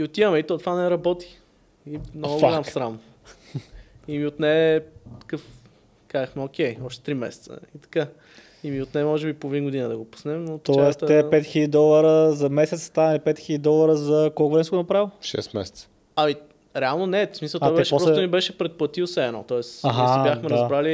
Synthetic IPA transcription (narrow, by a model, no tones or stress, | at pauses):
iot̪ivəmɛit̪ot̪vanɛɾɐbɔt̪i̥ | inɔɡoɡalʲamssɾam | imiot̪nɛt̪ɐ̥kɤf | kazəxmɛok̟ʲɛjɔʃt̪ɛ̥t̪ɾimɛ̰sɛ̥t̪sə̰it̪ɐ̥ka | imiot̪nɛmɔʒɛbipovinɡʊd̪inəd̪ɐɡopu̥snɛmnot̪ɔɛst̪ɛpɛt̪xilʲəd̪id̪ɔlˠəɾəzɐmɛsɛt̪st̪anlʲipɛt̪xilʲəd̪ʲid̪ɔlˠəɾəzɐkɔlˠkonɛsɡonɐpɾavʲiʃɛ̰st̪mɛ̰sɛt̪sə̥ | ɐmi | ɾɛalˠnonɛtsmisəlˠt̪ɔjb̪ɛʃɛpɔpɾɔmibɛʃɛpɾɛt̪̚pət̪iosɛːnɔ̰t̪ɔɛsaɦajaxmɛɾɐzbɾali